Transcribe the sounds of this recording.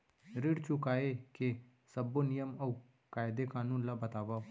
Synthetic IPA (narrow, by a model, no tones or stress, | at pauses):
ɾɪɽt͡ʃʊkaːeːke | səboːnɪjəmə | kaːɪd̪eːkãːnũːlaːbət̪aːʋaː